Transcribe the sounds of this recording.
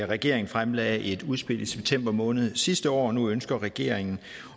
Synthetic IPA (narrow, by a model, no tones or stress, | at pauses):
æʁɛɡ̥e̝ɐ̰eŋn̩fʁamlɛ̰ːe̝d̥uð̞ˠsb̥e̝l̰d̥iseb̥̚t͡sʰem̰b̥ɐmɔ̽ːnð̞̩ˠsisd̥əɒ̰ːnuønsɡ̥ɐʁɛɡ̥e̝ɐ̰eŋn̩